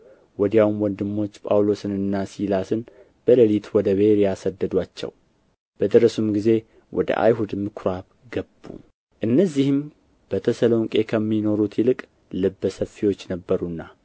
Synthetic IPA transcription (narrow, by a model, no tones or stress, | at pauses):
wɔd̪jawumwɔnd̪ɨmːo̞t͡ʃːpʼa̰wlo̞sɨnɨnːasilasɨn | b̥ələlit̪wɔd̪əβe̞ɾijasəd̪ːəd̪wat͡ʃːɛ̰w | b̥əd̪ɨɾəsumɡize̞ | wʔɔ̰d̪ə̰ʔa̰jɦud̪mɨkʰɾaβ | ɡəbːṵ | ʔɨnːəzːihɨm | b̥ət̪ʰəsəloŋkʼe̞kʰəmːino̞ɾut̪ʰjɪlɨkʼ | lɨbːəsəfːiwo̞t͡ʃːnəbːəɾunːa